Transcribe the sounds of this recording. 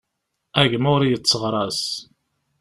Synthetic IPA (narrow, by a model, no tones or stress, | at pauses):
æʝmʊɾjət͡sːəʁɾˤɑs